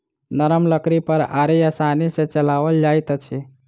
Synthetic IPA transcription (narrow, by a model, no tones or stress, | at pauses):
nəɾəmləkɾipəɾa̰ːɾijasaːniset͡ʃəlaːʋəld͡ʒaːit̪ət͡ʃʰe